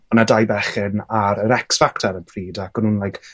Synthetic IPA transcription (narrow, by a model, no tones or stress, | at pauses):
nadajbɛχɪnaɾəɾɛksfaktʰaɾəpʰriːdakɔnhunlˠajk